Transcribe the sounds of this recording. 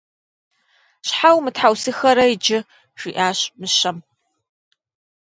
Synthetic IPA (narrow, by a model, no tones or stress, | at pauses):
ɕħawmɨtħawsɨxɐɾɐid͡ʒɪ | ʃʷiːʔaːɕʼmɨʃɐm